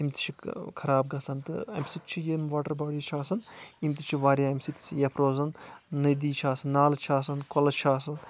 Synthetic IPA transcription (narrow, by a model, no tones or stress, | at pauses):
imt̪i̥t͡ʃʰikʰɐɾaːb̚ɡɐsɐnt̪ɨ̰ɐ̰mʲsit̪̚t͡ʃʰijemʋaːʈɐɾbɐːɽiːt͡ʃʰaːsɐnimt̪it͡ʃʰiʋaːɾʲjaːɐmʲsit̪sʰijɐpʰɾoːzɐnːɐd̪iːt͡ʃʰaːsɐnːaːlt͡ʃʰaːs̬ɐnkolɐt͡ʃʰaːs̬ɐn